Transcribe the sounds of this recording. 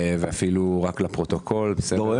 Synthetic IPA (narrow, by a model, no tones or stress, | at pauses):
veafiluʁaklapʁot̪okʰo̞lbese